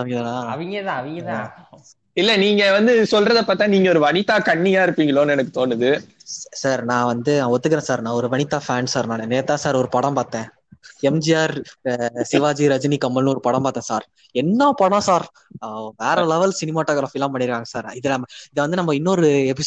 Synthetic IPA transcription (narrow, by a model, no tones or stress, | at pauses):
ɐʋɡɐðɐnãːɐʋɪŋɡɐt̪ãːɐʋɪŋɡɐt̪ãː | ɪlːɛniːŋɡɐʋɐnd̪ɯsɔlrɐðɐpːaːɾt̪ːãːniːŋɡɐɔɾɯʋɐɳɪt̪ːaːkɐɳːijaːɪɾɯpːiːŋɡɐɭoːnɯɛnɐkːɯ̥t̪oːnɯðɯ | saːɾnãːʋɐnd̪ɯnãːɔt̪ːɯkːɪɾẽːsaːɾnãːɔɾɯʋɐɳɪt̪ːaːfaːnsaːɾnãːnneːt̪ːãːsaːɾɔɾɯpɐɽɐ̃mpaːɾt̪ẽː | ɛmd͡ʒɪjaːɾ | sɪʋaːd͡ʒiɾɐd͡ʒɪnikɐmːɐlɯ̃ɔɾɯpɔɽɐ̃mpaːɾt̪ẽːsaːɾ | ɛnːãːpɔɽãsaːɾ | ʋeːɾɐlɛʋɐlsɪnɪmaːʈːoːɡɾaːfiɐlãːpɐɳːɪɾɯkːaːŋɡɐsaːɾɪðɛɐmɐɪðɐʋɐnd̪ɯnɐmːɐɪnːɔɾɯɛpɪs